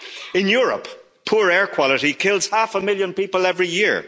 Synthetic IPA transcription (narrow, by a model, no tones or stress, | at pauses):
ɪ̃njʊɹə̰pʰː | uːɹɛːɹkʰw̥ɑlɪɾikʰɪlˠz̥hafəmɪljə̃npipəlɛvɹijɪɹ